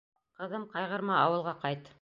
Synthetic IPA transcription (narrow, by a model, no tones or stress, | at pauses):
qɤ̆ðɤmqɑjʁɤ̆ɾmɑɑwɤ̆lˠʁɑqɑjt̪